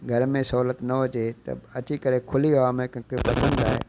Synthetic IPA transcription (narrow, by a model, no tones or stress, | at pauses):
ɡʱɐɾmẽsɐɦuːlət̪nɐot͡ʃet̪ɐ̰ɐt͡ʃikəɾekʰʊliaaːmẽkɐ̃kepɐsə̃nd̪a̰ːɦḛː